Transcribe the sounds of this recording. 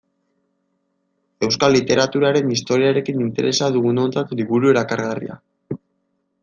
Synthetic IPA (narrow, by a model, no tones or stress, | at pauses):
e̞wskalːit̪e̞ɾat̪uɾaɾe̞nist̪o̞ɾiaɾe̞kinint̪e̞̰ɾe̞saðuɣuno̞nt͡s̪at̪liβuɾue̞ɾakaɾɣarḭa̰